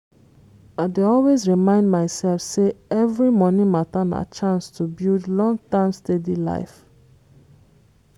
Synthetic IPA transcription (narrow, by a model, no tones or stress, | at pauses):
aɪdeɔlwezɹimãɪ̃ndmaɪsɛlfseɛvɹimɔnĩmatãna̰t͡ʃãnstʰubildlɔ̃ŋɡtãmstedila̰ɪf